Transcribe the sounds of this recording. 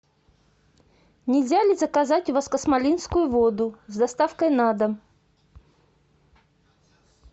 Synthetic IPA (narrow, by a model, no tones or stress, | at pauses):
nʲɪlʲzʲalʲɪzəkazatʲʊvaskəsmalʲinskʊjʊvod̪ʊzd̪ɐst̪afkəjnad̪əm